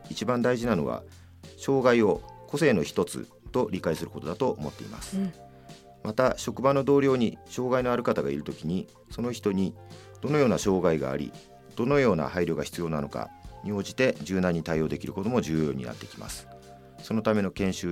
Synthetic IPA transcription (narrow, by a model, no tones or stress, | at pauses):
it͡ɕibãnd̪aiʑinano̞̰β̞a̰ | ɕo̞ːɡaio̞ko̞se̞ːno̞çi̥t̪o̞t͡sɨ̰ | t̪o̞ɾʲikaisɨɾɯ̟kot̪o̞d̪at̪o̞ːmo̞t̪ːe̞̰ḭma̰sɨ̥ | mat̪aɕo̞kɯ̟bano̞d̪o̞ːɾʲo̞ːɲ̟iɕo̞ːɡaino̞aɾɯ̟kat̪aɡaiɾɯ̟t̪o̞kʲiɲ̟i | so̞no̞çi̥t̪o̞ɲ̟i | d̪̥o̞no̞jo̞ːnaɕo̞ːɡaiɡa̰ːɾʲḭ | d̪̥o̞no̞jo̞ːna̰haiɾjo̞ɡaçi̥t͡sɨjo̞ːnano̞ka̰ɲ̟io̞ːʑit̪e̞d͡ʑɨːnãɲ̟ːit̪aijo̞ːd̪e̞kʲiɾɯ̟ko̞t̪o̞mo̞ʑɨːjo̞ːɲ̟ḭna̰t̪ːe̞kʲima̰sɨ̥ | so̞no̞t̪ame̞no̞kẽ̞ɕɨː